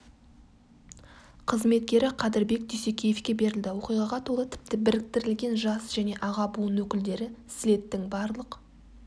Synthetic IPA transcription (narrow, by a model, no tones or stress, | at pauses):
qʰəzme̞t̪̚kʲe̞ɾɪqʰɑd̪ɪɾbe̞k̚d̪ʰijsekʲʰejefkʲe̞be̞ɾɪld̪ɪwo̞qijʁɑʁɑt̪ʰolˠət̪ʰɪ̥p̚t̪ɪbɪɾɪk̚t̪ɪɾɪlɡʲe̞nʒɑsʒ̥æne̞ʔɑʁɑbuənwɵkʲɪld̪e̞ɾɪsɪle̞t̪ːɪŋbɑɾlˠəq